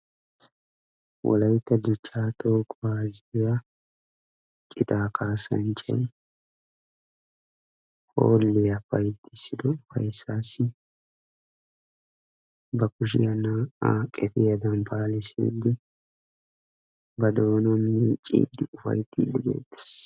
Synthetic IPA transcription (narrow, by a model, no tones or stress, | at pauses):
wʔɔ̰lɐjt̪ːɐd̪ɪt͡ʃʰːaːt̪oːkʼbaːzɪja | t͡ʃʼɪt̪aːkʰaːsɐ̰nt͡ʃʼɐ̰j | ho̰ːlːɪjafɐjt̪ːɪsːɪd̪ɔfɐ̰jsːaːsːɪ | bɐkʊʃ̬ɪ̰jɐnaa̰kʼɛfɪjɐd̪ɐmpʰaːlɛsḭːd̪ːɪ | bɐd̪oːnɔmːiːt͡ʃʼːḭːd̪ːɪʊfɐ̰jt̪ːɪd̪ɪbḛːt̪ːɪ̥s